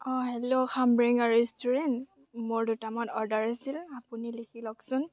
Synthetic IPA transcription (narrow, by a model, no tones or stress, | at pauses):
ɔɦɛlokʰambɹiŋaɹɛstuɹɛnt | mʊɹdutamɔtɔɹdaɹasilapunilikʰilɔksʊn